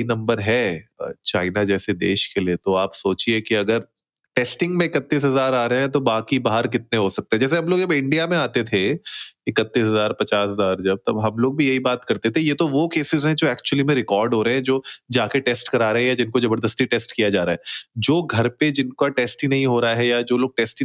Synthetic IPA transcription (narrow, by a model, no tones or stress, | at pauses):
inɐ̃mbəɾɦɛːt͡ʃaːɪnad͡ʒɛːsed̪ḛːʃkeliet̪oaːpsoːt͡ʃiekiɐɡəɾ | ʈeːsʈɪ̃ŋɡmẽɪkət̪ːiːs̬ɦɐzaːɾaːɾɐɛ̃t̪̬obaːkibaːɦəɾk̬ɪt̪̚neɦosɐk̚t̪eɦɛ̃d͡ʒɛːs̬eɦɐmloːɡd͡ʒɐbɪ̃ɳɖijamẽaːt̪et̪ʰeɪkət̪ːiːsɦɐzaːɾpɐt͡ʃaːsɦɐzaːɾd͡ʒɐb̚t̪ɐbɦɐ̃mloːɡ̚bʱijɐɦibaːt̪kɐɾt̪et̪ʰejet̪oʋokeːsɪzɦɛ̃d͡ʒoːɛːkt͡ʃuəlimẽɾɪkɔːɾɖɦoːɾɐɦɛ̃d͡ʒoːd͡ʒaːkeʈeːsʈkɐɾaːɾɐɦɛ̃jad͡ʒɪnkozɐbəɾd̪əst̪iʈɛːsʈkijad͡ʒaːɾaːɦɛːd͡ʒoːɡʱɐɾped͡ʒɪnkaʈɛːsʈinɐɦĩɦoːɾaaɦɛjad͡ʒoːloːɡ̚ʈɛːsʈi